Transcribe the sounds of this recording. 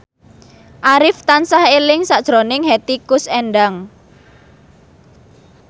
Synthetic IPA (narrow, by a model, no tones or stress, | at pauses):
ʔaɾɪft̪ansahelɪŋsaʔd̥ʒ̥ɾonɪŋhɛt̪ikʊsɛnɖaŋ